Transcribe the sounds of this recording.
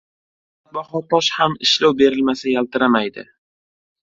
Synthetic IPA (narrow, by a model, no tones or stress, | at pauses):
baχɒt̪ɒʃhamɪʃlawbe̞ɾɪlmasajalt̪ɪɾamajd̪ɪ̰